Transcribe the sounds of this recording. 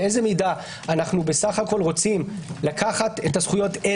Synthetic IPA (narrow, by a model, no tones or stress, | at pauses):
eze̞mida | anaχnube̞saχako̞lʁo̞t͡simlakʰaχate̞tasχujo̞te